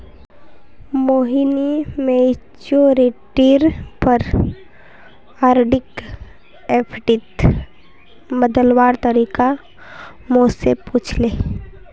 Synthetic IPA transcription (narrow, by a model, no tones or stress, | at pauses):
moːɦinimet͡ʃoɾeʈiɾpəɾ | aːɾɖɪk | eːpʰɖɪt̪ | bəd̪əlwaːɾt̪əɾiːka | mõsepuːt͡ʃʰleː